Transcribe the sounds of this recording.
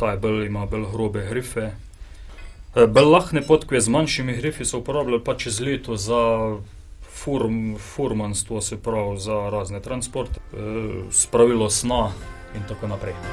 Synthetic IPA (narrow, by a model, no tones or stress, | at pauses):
t̪ajbəlimabəlɣɾoːbɛɣɾiːfɛ | bəlːaxnɛpot̪kjɛzmanʃimiɣɾifisɔupɔɾaːblʲalpat͡ʃzlʲiːt̪oza | fuɾfuɾmanst̪ʋɔsɛpɾawzaɾaːznɛt̪ɾanspɔɾt̪ɛ̥ | spɾaʋiːlɔsna | int̪akonapɾɛj